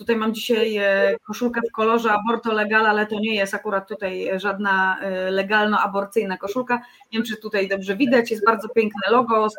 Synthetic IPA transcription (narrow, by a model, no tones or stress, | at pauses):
t̪ut̪ajmamd͡ʑiɕajkɔʂulkɛfkɔlɔʐɛabɔɾt̪ɔlɛɡalalɛt̪ɔɲɛjɛst̪akuɾat̪ːut̪ajʐad̪nalɛɡalnɔabɔɾt̪sɘjnakɔʂulkavʲɛmt͡ʂɘt̪ut̪ajd̪ɔbʐɛvʲid̪at͡ɕjɛst̪̚baɾd̪zɔpʲjɛŋknɛlɔɡɔs